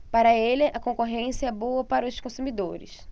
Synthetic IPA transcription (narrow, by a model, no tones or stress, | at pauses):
paɾɐelɪʔɐkõŋkoɦẽsɐɛboɐpaɾɐʊskõsũmid̪oɾɪ̰s